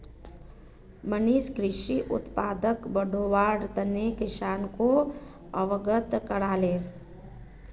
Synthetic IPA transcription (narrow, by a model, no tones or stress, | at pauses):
məniːʃkɾɪʃiʔʊ̰t̪paːd̪əkbəɖʱoʋaːɽt̪ənekɪʃaːnko | ɐ̰ʋəɡət̪kəɽaːleː